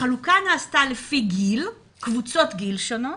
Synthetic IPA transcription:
alukanaːstalefiɡil | kvut͡sotɡilʃono

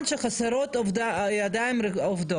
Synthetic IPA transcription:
nt͡ʃʷʰaχasaɾotʼavdaadamravdo

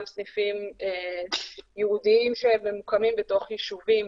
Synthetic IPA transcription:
lsnifime | jɛhud̪iimʃeememukamimbet̪o̞χjiʃuvim

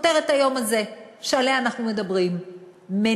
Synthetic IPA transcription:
teʁet̪hajo̞maze̞ʃealeanaχnume̞d̪ɐbʁimː | e

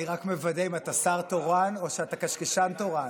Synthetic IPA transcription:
iʁakmevadeimatasaʁtoʁano̞ʃeatakaʃkeʃanto̞ʁan

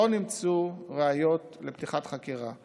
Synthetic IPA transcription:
onimt͡suʁeajo̞tlept̪iχatχakiʁa

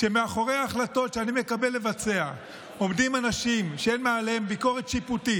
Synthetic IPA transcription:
ʃemeaχo̞ʁejaːχlato̞tʃeanime̞kabe̞lːe̞vat͡se̞a | o̞mdimanaʃimʃeenmaːlembiko̞ʁet̪ʃiputi

